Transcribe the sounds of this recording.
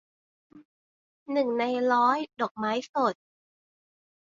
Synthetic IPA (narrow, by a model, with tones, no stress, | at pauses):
nɯ˨˩ŋna˧jɾɔː˦˥jdɔ˨˩k̚maː˦˥jso˨˩t̪̚